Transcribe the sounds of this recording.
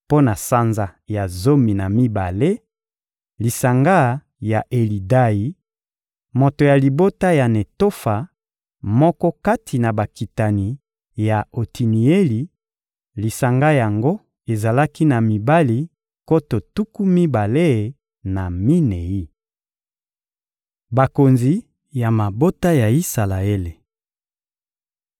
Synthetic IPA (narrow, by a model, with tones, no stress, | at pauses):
po˦na˨sa˦nza˨ja˨zo˦mi˨na˨mi˦ba˨le˦ | li˨sa˨ŋɡa˦ | ja˨ʔe˨li˨da˦i˨ | mo˨to˨ja˨li˨bo˦ta˦ja˨ne˨to˦fa˨ | mɔ˦kɔ˦ka˦tʰi˨na˨ba˨ki˨ta˨ni˨ | ja˨o˨tʰi˨ni˨e˦li˨ | li˨sa˨ŋɡa˦ja˨ŋɡo˦ | e˨za˨la˦ki˦na˨mi˨ba˦li˨ | ko˦to˨tu˦ku˦mi˦ba˨le˦˨ | na˨mi˦ne˨ji˦ | ba˨ko˨nzi˨ | ja˨ma˨bo˦ta˦ja˨i˦sa˨la˨e˦le˨